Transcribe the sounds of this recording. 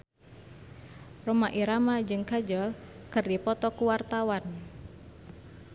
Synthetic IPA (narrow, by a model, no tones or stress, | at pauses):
rumaʔiɾamad͡ʒɨŋkad͡ʒɔlkɨrdipɔt̪ɔkuwart̪awan